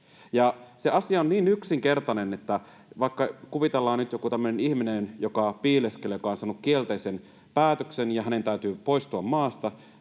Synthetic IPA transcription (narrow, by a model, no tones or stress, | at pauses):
jɑseʔɑsiɑonniːnyksiŋkert̪ɑnenet̪ːæ | ʋɑikːɑkuʋit̪elːɑːnnyt̪jokut̪æmːønenihminenjokɑpiːleskelejokɑonsɑnukkielt̪eisen | pæːt̪øksenjɑɦæne̞nt̪æyt̪yːpo̞ist̪uɑmmɑːst̪ɑ